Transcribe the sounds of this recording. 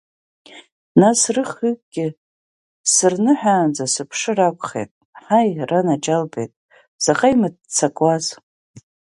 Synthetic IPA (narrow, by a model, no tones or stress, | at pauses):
nasrɨχɨkʼɡʲɪ | sɨrnɨħʷᶣaːnd͡zasɨpʰʂɨrakʷʼχḛjtʼ | ħajranad͡ʒalbḛjtʼ | z̥aχʼajmɨd̚t͡sʰakʼwaz